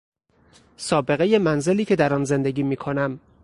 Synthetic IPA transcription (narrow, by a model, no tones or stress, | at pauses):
sɒːbe̞ɣe̞je̞mænze̞liːcʰe̞d̪æɾɒːnze̞nd̪eɡiːmiːkʰonæm